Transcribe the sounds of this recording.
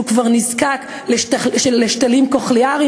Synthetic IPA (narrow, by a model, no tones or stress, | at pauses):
ukvaʁnizkak | leʃʃeeʃtalimkoχliaʁi